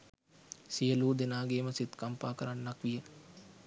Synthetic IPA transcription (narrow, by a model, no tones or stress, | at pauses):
sijəluːd̪enaːɡeːməsit̪kampaːkəɾanːakʋijə